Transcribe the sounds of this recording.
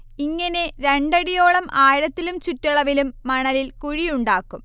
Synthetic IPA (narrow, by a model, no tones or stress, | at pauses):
iŋːɐne̞ɾeɳɖɐɽijo̞ːɭɐmʔaːjɽɐt̪ːilumt͡ɕutːɐɭɐʋilumːɐɳɐlilkuɻijuɳɖaːkːum